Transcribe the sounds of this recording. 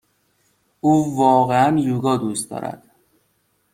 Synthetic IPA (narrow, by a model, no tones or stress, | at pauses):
uːvɒːɣeænjuːɡɒːd̪uːst̪̚d̪ɒ̰ːɾæ̰d̪̥